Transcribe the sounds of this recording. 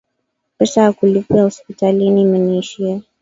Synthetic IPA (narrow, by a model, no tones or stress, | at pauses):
pɛsaakulipiahɔspitalinimɛniːʃia